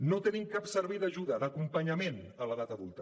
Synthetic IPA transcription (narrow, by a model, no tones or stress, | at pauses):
not̪ənimkapsəɾβɛjðəʒuðəðəkumpəɲəmen | ələðat̪əðulˠt̪ə